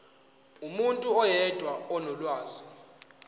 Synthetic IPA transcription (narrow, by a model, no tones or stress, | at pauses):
umuntʼuɔjɛd̥ʼʱwaɔnɔlwaːzi